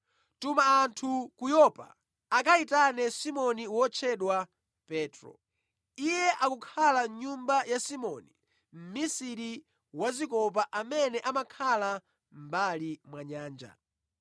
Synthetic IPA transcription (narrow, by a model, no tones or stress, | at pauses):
tumaːntʰukujɔpa̰ | akaitanɛsimɔniwɔt͡ʃʰɛɗwa | pɛːtɾɔ̰ | ijɛʔakukʰalaɲumbajasimɔni | m̩misiɾi | wazikɔp̬aʔamɛnɛʔamakʰala | m̩balimwaɲaːnd͡ʒa̰